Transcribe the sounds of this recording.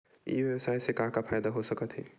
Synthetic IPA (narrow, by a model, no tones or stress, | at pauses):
ḭʋjewəsaisẽkãɦkapʰajd̪aɦosəkət̪ɦi